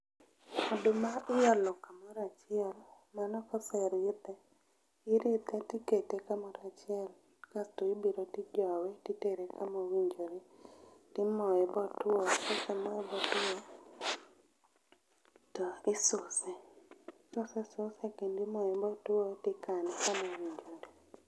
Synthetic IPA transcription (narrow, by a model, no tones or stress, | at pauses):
ɔdʊmaɪjɔlɔkamɔɾat͡ʃɪɛl | manɔkɔsɛɾɪt̪ɛ | ɪɾɪt̪ɛtɪketekamɔɾat͡ʃɪɛl | kastoɪbiɾotɪd͡ʒɔwɛtiteɾekamowiɲd͡ʒoɾetɪmɔɛbɔtwokɔsɛmɔɛbɔtuo | tɔɪsʊsɛsɔsɛsʊsekendɪmɔɛbɔtwotɪkanɪkamowiɲd͡ʒode